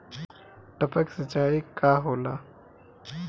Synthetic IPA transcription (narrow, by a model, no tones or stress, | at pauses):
ʈəpəksət͡ʃaːikaːɦoːlaː